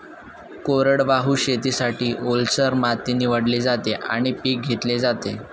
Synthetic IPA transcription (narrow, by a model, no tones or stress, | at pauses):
koɾəɽʋaɦuːɕet̪iːsaʈʰiːʔolsəɾmat̪iniʋəɽlid͡zat̪eʔa̰ɽ̃ipiːk̚ɡʱet̪led͡zat̪e